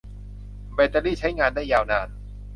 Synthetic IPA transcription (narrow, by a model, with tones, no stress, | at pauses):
beː˧t̪a˧liː˥˩t͡ɕʰa˦˥jŋaː˧ndaː˥˩jːaː˧wnaː˧n